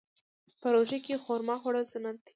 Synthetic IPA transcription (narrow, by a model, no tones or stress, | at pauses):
pəɾoʒakexoɾmɑxoɽazʊnant̪e̥